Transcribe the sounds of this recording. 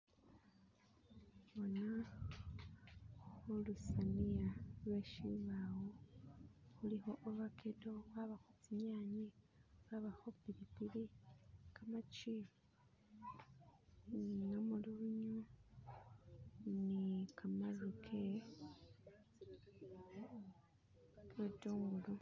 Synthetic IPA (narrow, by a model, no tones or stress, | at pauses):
βona | xolusanijalwe̞ʃḭβawo | xulixo̞ʔoβakʰeto̞βaβaxot͡siɲaɲi | βaβaxopiɾipilikamat͡ʃi | ŋamuluβuɲu | nikamalukʰe | wetoːŋɡulu